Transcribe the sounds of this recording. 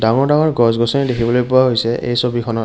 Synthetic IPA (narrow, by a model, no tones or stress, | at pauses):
daŋɔɹdaŋɔɹɡɔzɡɔsɔnidekʰibɔlojpʊwaɦojsɛʔḛjsobikʰɔnɔ